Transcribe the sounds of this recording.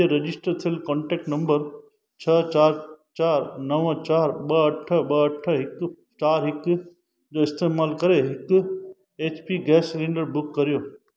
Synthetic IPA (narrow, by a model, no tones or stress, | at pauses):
eɾɐd͡ʑɪsʈəɾt̪ʰijəlkɔ̃ːɳʈeːk̚ʈnɐ̃mbəɾ | t͡ɕʰɐt͡ɕaːɾt͡ʃaːɾnɐʋə̃t͡ɕaːɾɓɐɐʈʰəɓɐɐʈʰəɦɪk | t͡ʃaːɾɦɪk | d͡ʑoːɪst̪eːmaːlkɐɾeɦɪk | eːt͡ɕpiɡɛːslĩɳɖəɾbʊkːɐɾijoː